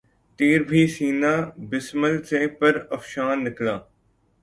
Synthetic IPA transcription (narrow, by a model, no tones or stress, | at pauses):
t̪eːɾbʱiːsiːnaːbɪsməlsẽːpəɾəfʃaːnːɪklaː